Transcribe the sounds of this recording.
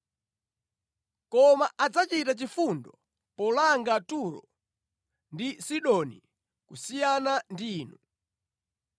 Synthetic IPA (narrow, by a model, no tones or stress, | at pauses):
kɔmaʔad͡zat͡ʃitat͡ʃifundɔ | pɔlaŋɡatuɾɔ̰ | ndisiɗɔnḭ | kusijanandiːnu